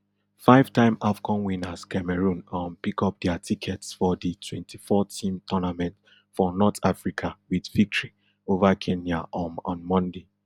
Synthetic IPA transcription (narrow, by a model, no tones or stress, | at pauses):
faɪv̥tãɪ̃mafɡɔ̃nwĩnaskɛmɛɹũnɔ̃npikɔp̚dɛatʰikʰɛtsfɔditʰwɛ̃ntʰifɔtʰĩmtʰɔnamɛ̃nt | fɔnɔtafɹikʰawidvik̚tɹi | ovakʰẽnjaʔɔnɔ̰̃nmɔ̃nde